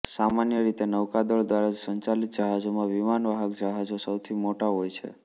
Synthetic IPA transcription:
samanjəɾit̪enəwkad̪ɔɭd̪ʋaɾad͡ʒsəɲt͡ʃalit̪̚d͡ʒəɦad͡ʒomãʋimanʋəɦəkd͡ʒəɦad͡ʒosəwt̪ʰimoʈaɦojt͡ʃʰḛ

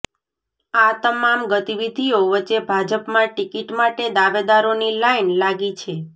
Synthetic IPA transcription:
at̪əmamɡət̪iʋid̪ʱijoʋət͡ʃːebʱad͡ʒəpmãʈikiʈmaʈed̪aʋed̪aɾonilainlaɡit͡ʃʰe

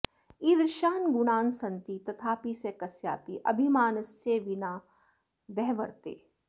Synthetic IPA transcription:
iːd̪ɾʃaːnɡunaːnsɐnt̪it̪ɐt̪ʰaːpisekɐsja̰ːpiʔɐ̰bʱimaːnɐsjeʋinaː | ʋɛɦʋɐɾt̪ḛː

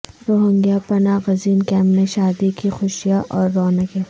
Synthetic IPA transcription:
ɾoːɦə̃ŋɡjapɐnaːɣɐziːnkɛ̃ːmpnẽʃaːd̪ikixʊʃijaʔɔːɾːɔːnəke

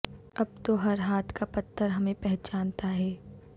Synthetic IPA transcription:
ɐb̚t̪oɦɐɾɦaːt̪ʰkapɐt̪ʰːəɾɦɐmẽpɛɦt͡ʃaːnt̪aɦɛː

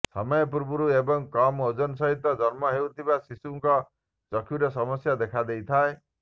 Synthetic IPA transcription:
sa̰mɔjɔpuɾbuɾuebɔŋkɔmod͡ʒɔnɔsɔɦit̪ɔd͡ʒɔɾmɔɦewt̪ʰibasisuŋkɔ | t͡ʃɔkʰjuɾesɔmɔsjad̪ekʰad̪ejt̪ʰae

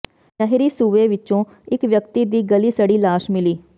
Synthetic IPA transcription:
nəɦɾiːsuːʋeːʋɪt͡ʃõː | ɪkʋjəkt̪iːd̪iːɡəliːsəɽiːlaːʃmɪliː

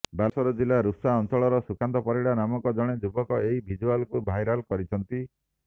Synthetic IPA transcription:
basɔɾɔd͡ʒilaɾusaɔnt͡ʃɔɭɔɾɔsukant̪ɔpɔɾiɽanamɔŋkɔd͡ʒɔɽ̃ed͡ʒubɔkɔeɦibʱid͡ʒualkubʱajɾalkɔɾit͡ʃʰɔnt̪i

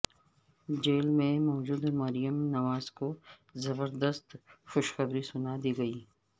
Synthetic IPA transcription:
d͡ʒeːlmẽmɔːd͡ʒuːd̪mɐɾijəmnɐmaːzko | zɐbəɾd̪əst̪xʊʃxɐbɾisʊnad̪iːɡɐiː

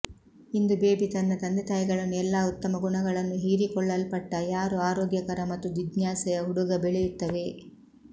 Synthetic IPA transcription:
ind̪ubeːbit̪ɐnːɐt̪ɐnd̪ɛt̪ɐjɡɐɭɐnːuɛlːaːut̪ːɐmɐɡuɳɐɡɐɭɐnːuɦiːɾikɔɭːɐlpɐʈːɐjaːɾuaːɾɔːɡjɐkɐɾɐmɐt̪ːud̪id̪njaːsɛjɐɦuɽuɡɐbeɭɛjut̪ːɐʋe̞

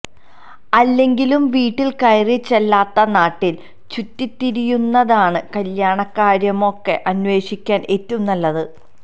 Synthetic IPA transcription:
ɐlːe̞ŋɡilumʋiːʈːilkɐjrit͡ɕːelːaːt̪ːɐnaːʈːil | t͡ɕut̪ːit̪ːiɾijunːɐðaːɳɨkɐljaːɳɐkːaːɾjɐmo̞kːe̞ʔɐnʋe̞ːʂikʲːaːne̞tːunːɐlːɐðɨ

